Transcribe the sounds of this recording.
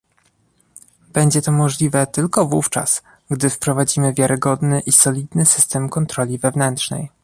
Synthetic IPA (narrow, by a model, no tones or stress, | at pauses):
b̥ɛɲd͡ʑɛt̪ɔmɔʐlʲivɛt̪ɘlkɔvuft͡ʂa̰s | ɡd̪ɘfpɾɔvad͡ʑimɘvʲjaɾɘɡɔd̪nɘʔisɔlʲid̪nɘsɘst̪ɛmkɔnt̪ɾɔlʲivɛvnɛntʂnɛ̰j